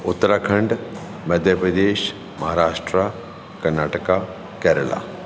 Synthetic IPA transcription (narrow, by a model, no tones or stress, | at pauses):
ʊt̪ːəɾakʰɐ̃ɳɖ | mɐd̪ʱjəpɾəd̪eːʃ | mɐɦaːɾaːʂʈɾa | kɐɾnaːʈəka | kɛːɾəla̰